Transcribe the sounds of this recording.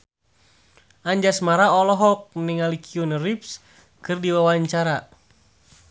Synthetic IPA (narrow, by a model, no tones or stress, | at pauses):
aɲd͡ʒasmaɾaɔlɔɦɔk̚niŋalikʰiunrips | kɨrdiwawaɲt͡ʃaɾa